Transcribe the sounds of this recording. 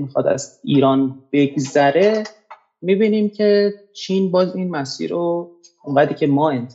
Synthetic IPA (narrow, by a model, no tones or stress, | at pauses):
mixɒ̰d̪æ̰ziːɾɒːnb̥e̞ɡzæɾe̞ | mibiːniːmcʲʰe̞t͡ʃʰiːnbɒːziːnmæsḭːɾo | oŋɢæd̪iːcʲʰemɒːent̪ʰ